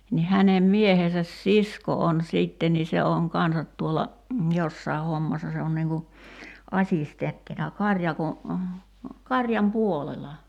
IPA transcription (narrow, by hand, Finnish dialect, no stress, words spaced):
ni hænem miehesæs sisko on siˑtːen ni se oŋ kɑnsɑt tuolːɑ josːɑi̞ homːɑsːɑ se on niːŋ ku ɑsʲistentːinɑ kɑrʲjɑko kɑrʲjɑm puolelɑ